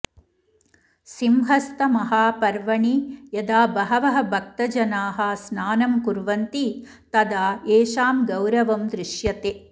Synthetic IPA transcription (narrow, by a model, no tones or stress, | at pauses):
simɦɐst̪ɐmɐɦaːpɐɾʋɐɳijɐd̪aːbɐɦɐʋɐɦɐ̆bʱɐk̚t̪ɐd͡ʒɐnaːɦɐsnaːnɐmkuɾʋɐnt̪i | t̪ɐd̪aːeːʃaːmɡɐwɾɐʋɐmd̪ɾɪʂjɐt̪e